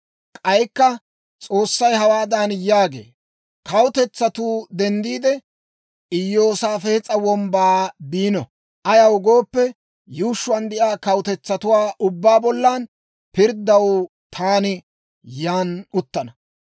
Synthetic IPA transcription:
kʼɐjkːɐ | t͡sʼo̞ːsːɐjɦɐwaːd̪anjaːɡḛː | kʰɐwt̪ɛt͡sːɐt̪uːd̪ɛnd̪iːd̪ɛ | ʔɪjːo̞ːsaːfɛɛt͡sʼɐwɔmbaːbiːnɔ | ʔɐjɐwʊɡo̞ːpːɛ | juːʃːʊwaːnd̪ɛʔaːkɐwʊt̪ɛt͡sːɐt̪ʊwaːʔʊbːaːbɔlːaːn | pɪɾd̪ɐw | t̪ʰaːnɪ | jaːnʊt̪ːɐnɐ

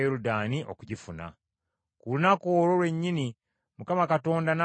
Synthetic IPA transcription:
eɾudaːniʔo̰kuɟifuna̰ | kulunakoːɾo̞lwe̞ɲːini | mukamakato̞ːndana

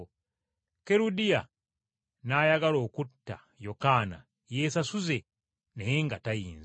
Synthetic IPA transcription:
keɾudija | naːjaɡalo̞ːkutːa̰ | jo̞kaːna̰ | je̞ːsasuze̞ | nejeŋɡatajiːnz

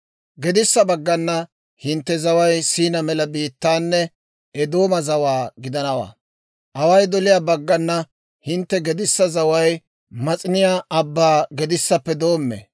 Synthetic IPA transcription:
ɡɛd̪ɪsːɐbɐɡːɐnːɐ | hɪnt̪ːɛzɐwɐjsiːnɐmɛlɐbiːt̪ːaːnːɛ | ɛd̪o̞ːmɐzɐwaːɡɪd̪ɐnɐwa̰ː | ʔɐwɐjd̪ɔlɪjaːbɐɡːɐnːɐ | hɪnt̪ːɛɡɛd̪ɪsːɐzɐwɐj | mɐt͡sʼɪnɪjaːɐbːaːɡɛd̪ɪsːɐpːɛd̪o̞ːmːɛ̰

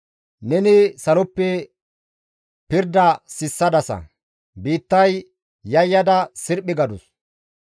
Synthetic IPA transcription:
nɛnɪsɐlɔpːɛ | pɪɾd̪ɐsɪsːɐd̪ɐsɐ̰ | biːt̪ːɐj | jɐjːɐd̪ɐsɪɾpːɪɡɐd̪ʊs

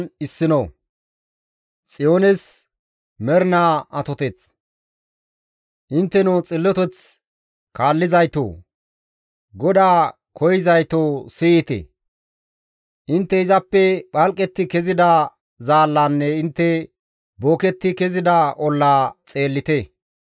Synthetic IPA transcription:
ɪsːɪno | t͡sʼɪjo̞ːnɛs | mɛɾnaːɐt̪ɔt̪ɛt͡s | ʔɪnt̪ːɛnʊt͡sʼɪlːɔt̪ɛt͡s | kaːlːɪzɐjt̪o̰ː | ɡɔd̪aː | kʰɔjɪzɐjt̪oːsiːɪt̪ḛ | ʔɪnt̪ːɛɪzɐpːɛɓɐlkʼːɛt̪ːɪkɛzɪd̪ɐ | zaːlːaːnːɛɪnt̪ːɛ | boːkɛt̪ːɪkɛzɪd̪ɐʔɔlːaːt͡sʼe̞ːlːɪt̪e

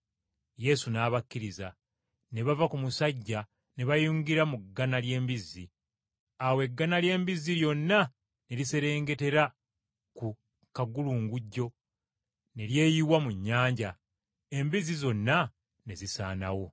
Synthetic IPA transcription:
je̞sunaːβakːiɾiza | ne̞βavakumusaɟːa | ne̞βajuːŋɡiɾamuɡːanalje̞ːmbizːi | awe̞ɡːanalje̞ːmbizːiljo̞nːa | ne̞ɾise̞ɾe̞ːŋɡe̞te̞ɾa | ku | kaɡuluːŋɡuɟːo̞ | ne̞lje̞ːjiwamuɲːaːɲɟa | e̞mbizizo̞nːa | ne̞zisaːna̰wo̞

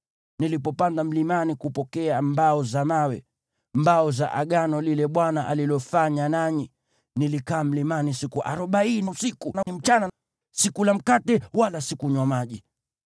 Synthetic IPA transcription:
nilipɔpandam̩limanikupɔkɛambaɔzamawɛ | mbaɔza̰ʔa̰ɠanɔlilɛɓwanaʔalilɔfaɲanaɲi | nilikaːm̩limanisikuʔa̰ɾɔɓainiusikunaim̩t͡ʃana | sikulam̩katɛwalasikuɲwamaʄi

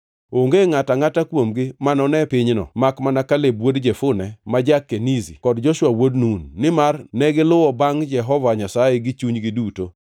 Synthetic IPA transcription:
oŋɡeŋataŋatakwomɡɪmanɔnɛpɪɲnɔ̰makmanakalebwodd͡ʒefʊnɛmad͡ʒakːenizḭkɔdd͡ʒɔʃwawodnunːɪmarnɛɡɪlʊwɔbaŋd͡ʒɛɦɔvaɲasajeɡɪt͡ʃuɲɡɪduto

